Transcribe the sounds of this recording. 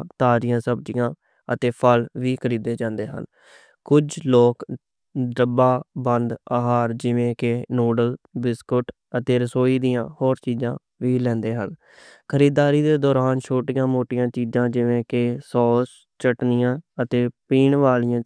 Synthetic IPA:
t̪aːɾɪjãːsəb̚d͡ʒɪjãː | ət̪eːpʰəlʋiːkʰəɾiːd̪eːd͡ʒãːnd̪eːɦə̰n | kʊd͡ʒloːk | d̪əbaːbənd̪aɦaːɾd͡ʒɪʋẽːkenoːɖəl | bɪskʊʈ | ət̪eːɾəsoːiːd̪ijãːhoːɾt͡ʃiːzãː | ʋiːlɛ̃ːnd̪eːɦə̰n | kʰəɾiːd̪aːɾiːd̪eːd̪ɔːɾaːnt͡ʃʰoːʈijãːmoːʈɪjãːt͡ʃiːd͡ʒãːd͡ʒɪʋẽːkɪsɔːs | t͡ʃəʈnɪjãːət̪eːpiːɳʋaːlɪjãː

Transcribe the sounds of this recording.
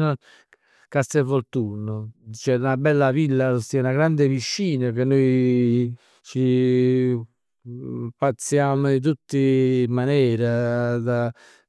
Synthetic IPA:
kast̪ɛvoɾt̪unːʊt͡ʃɛunabɛlːavilːaost̪iɛunaɡɾand̪epiʃːiːnəkenːoj | t͡ʃi | pat̪sːjaːmit̪̬ut̪ːimanɛːɾad̪a

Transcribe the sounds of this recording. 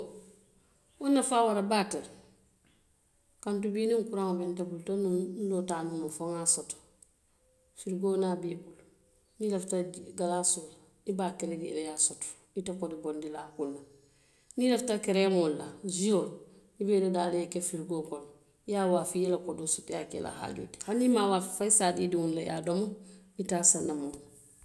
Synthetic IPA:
wonːafaːwaɾabaːtel | kantubiːniŋkuɾaŋobentabultonundotanumufoŋasot | fiɾɡoːnabibul | nileftaɡalasul | ibaːkeɾeɡḭdejasot | itakodibondilaːkunːa | nileftakeɾemolːaziol | ibedodalekefiɾɡoːkon | jawafijɛlakodosotjakḛlʔa̰ha̰ɟṵːti̥hanimawaffajisaːdidiwunlaja̰domoitaːsanamo

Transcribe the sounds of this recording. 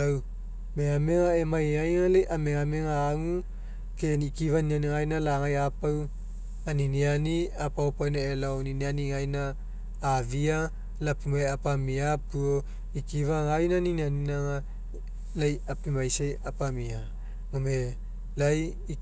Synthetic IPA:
aw | meameŋaemajajŋalejʔameŋameŋaːŋu | kenikivanianiŋajnalaŋajapaw | aninianiapaopawnaelaoninianiŋajnaː | via | lapimajapamiapuo | ikivaŋajnaninianinaŋa | lajapimajsajapamia | mome | laj

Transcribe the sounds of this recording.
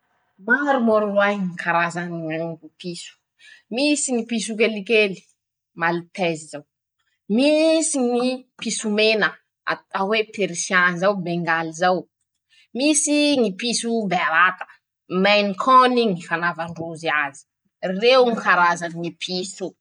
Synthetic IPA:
maɾumoɾulwajŋikʰaɾazaniaŋupisu̥ | misiŋipisuk̬elikeli̥ | malit̪ɛzizaw | misiŋipisumenə | a̰awepʰeɾisanzawbeŋɡalizaw | misiŋipisubeaɾat̪ə̥ | majnikʰɔniŋifanavaɳɖ͡ʐuziazi̥ | rewŋikaɾazaniŋipʰisu

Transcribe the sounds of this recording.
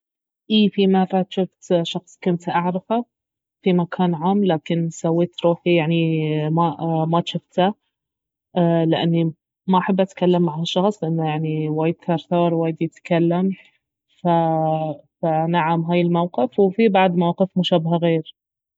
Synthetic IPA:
ʔiːfimɑrˤːɑt̪ʃʊft̪ʃɑxsˤkʊnt̪ʔaʕɾɪfa | fimakʰaːnʕaːmlaːkɪnsawːeːt̪ɾuːħijaʕnimamat̪ʃʊft̪ha | lɪʔa̰nːi | maʔaħabːʔat̪kalːamːaʕaʃːɑxsˤlɪʔɪnːajaʕniwaːjɪd̪̚kɑɾˤt̪ɑːɾˤwaːjɪd̪jɪt̪kalːam | fa | fanaʕamɦaːjɪlmawqɪfwfibaʕd̪mawqɪfmʊʃabɦaɣeːɾ

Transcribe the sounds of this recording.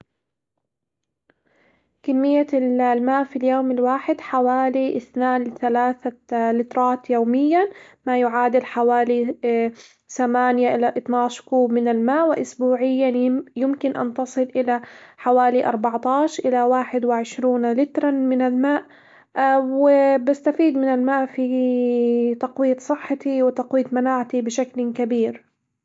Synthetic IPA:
kamːɪjːallmaːʔfiljoːmɪlwaːħɪd̪ħawaːliʔɪθnaːnlɪθalaːθalɪt̪ɾˤɑːt̪joːmɪjːamajʊʕaːd̪ɪlħawaːli | θamaːnjaʔɪlaʔɨt̪ˤnɑːʃkuːbmɪnɪlmaːʔwɪʔʊsbuːʕɪjːajɪmkɪnʔa̰nt̪ɑsˤɨlʔɪlaħawaːliʔɑ̰ɾˤbɑʕt̪ɑːʃʔɪlawaːħɪd̪wɪʕɪʃɾuːnlɪt̪ɾˤɑmɪnalmaːʔ | wɪbɪst̪afiːd̪mɪnɪlmaːʔfi | t̪ɑqwiːt̪sˤɨħːɑt̪iwɪt̪ɑqwiːt̪manaːʕt̪ibɪʃaklkabiːɾ

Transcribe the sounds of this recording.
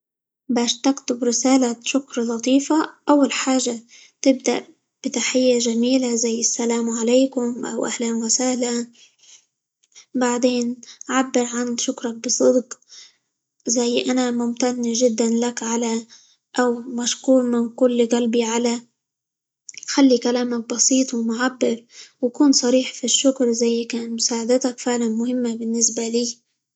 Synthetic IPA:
baːʃt̪aɡt̪ʊbɾɪsaːlaʃʊkɾˤlɑt̪ˤiːfaʔawːalħaːʒːa | t̪ɪb̚d̪a̰ʔ | b̥ɪt̪aħɪjːaʒamiːlazajːɪsːalaːmʕalajkʊmʔa̰wʔahlaːnwɪsaːla | baʕd̪eːnʕabːɪɾʕanʃʊkɾˤɑk̚bɨsˤɨd̪q | zajːʔanamʊmt̪anːʒɪd̪ːanlakʕala | ʔawmaʃkuːɾmɪnkʊlːɣalbiʕala | xalːikalaːmak̚bɑsiːt̪ˤwmʊʕabːɪɾwakuːnsˤɑɾiːħfiʃːʊkɾzajːkaːnmʊsaːʕad̪ɪt̪akfɪʕlanmʊhɪmːabɪnːɪsbaliː

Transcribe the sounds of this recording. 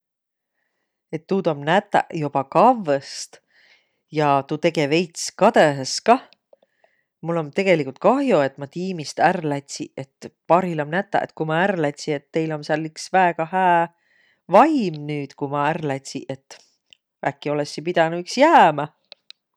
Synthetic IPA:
e̞t̪ːuːt̪omnæt̪ːˑæ̰job̥ɑkɑvːest̪ | jɑt̪ut̪e̞ɡe̞ve̞jt̪skɑd̪̥eɦeskɑ | mulːo̞nt̪e̞ɡ̥e̞likˑult̪̚kɑɦjoe̞t̪ːˑmɑt̪iːmist̪ærlæt̪ʲsiʔe̞t̪ːpɑɾilɑmnæt̪ːˑɑ̰ʔḛt̪kumɑærlæt̪ʲsie̞t̪ːe̞jlo̞nsɑlːiksvæeɡ̥ɑhæː | vɑjmnyːt̪kumɑærlæt̪ʲsiʔe̞t̪ː | ækːio̞lesːipid̪̥ɑnuyksjæːmɑ

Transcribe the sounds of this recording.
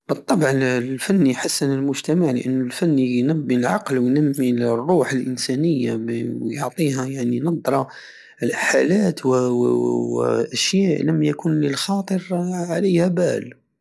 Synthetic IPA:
bət̪ˤːɑbʕlfænːijħasːanəlmʊʒt̪æmaʕlə̰ʔənːʊlfænːijnæbːilʕɑqlwjnəmːilrːuħəlʔənsænəjːawjoʕt̪ˤiɦæjaʕninɑd̪ˤɾˤɑ | lħalæːt̪w | ʔæʃjæːʔləmːjækunləlxɑːt̪ˤəɾʕaləjhæbæ̰l

